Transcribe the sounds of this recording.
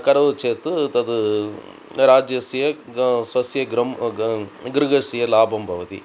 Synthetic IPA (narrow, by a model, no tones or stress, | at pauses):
kɐɾɐʋut͡ʃeːt̪ut̪ɐd̪u | ɾaːd͡ʒjɐsijɐsʋɐsjɐɡɾɐ | ɡɾɨɡɐɾsijɐlaːbʱɐmbʱɐʋɐt̪ḭ